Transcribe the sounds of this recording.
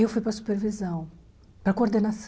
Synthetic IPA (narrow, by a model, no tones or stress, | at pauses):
ewfujpɾɐsu̥peɾvizɐ̃w̃ | pɾɐkooɾd̪enas